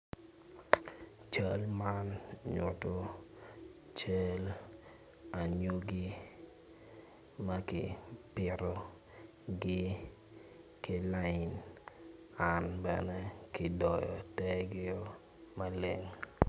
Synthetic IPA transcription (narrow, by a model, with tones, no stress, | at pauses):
t͡ʃa˦lma˦nɲʊ̰˨to˨ | t͡ʃa˦l | a˨ɲo˦ɡi˦ | ma˦kɪ̰˨pɪ˦ɾɔ˦ | ɡɪ˦ | kɪ˨la˦ɪ˨n | a˨nbɛ̰˨nɛ˦kɪ˨dɔ˨jɔ̰˨tɛ˦ɡɪ˦o˦ | ma˦le˨ŋ